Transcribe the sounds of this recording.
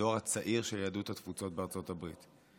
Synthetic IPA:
oʁat͡saʔiʁʃeljadut̪atfut͡so̞t̚beaʁt͡so̞tabʁit̪

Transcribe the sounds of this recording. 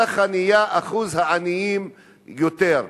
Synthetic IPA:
aχanijaʔaχuzhaanijim | jot̪eʁ

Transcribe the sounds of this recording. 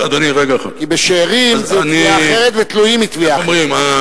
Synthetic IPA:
ad̪oniʁeɡaχkibeʃeːʁimzeniiaχeʁet̪vet̪lujimit̪viamʁima

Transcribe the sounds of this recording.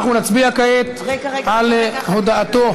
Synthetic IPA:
χnunat͡sbiakajet̪ | alhod̪aat̪o

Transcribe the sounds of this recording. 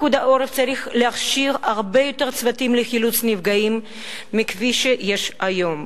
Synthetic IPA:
kud̪aʔoɾeft͡saʁiχleaχʃiʁaʁbejot̪eʁt͡svat̪imlexilut͡snivɡaimː | ikviʃejeʃajom

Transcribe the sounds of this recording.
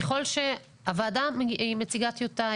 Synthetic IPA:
eχo̞lʃe̞ | avaːdaimet͡siɡat̪iota

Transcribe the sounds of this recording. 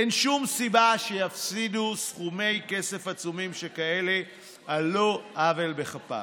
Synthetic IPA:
enʃumsibaʃejafsidusχume̞jke̞se̞fat͡sumimʃekaele̞ | aloʔavelbeχapa̰

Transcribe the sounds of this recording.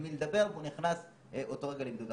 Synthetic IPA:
miled̪abe̞ʁveuniχnas | ʔo̞to̞ʁeɡalemd̪ud̪a

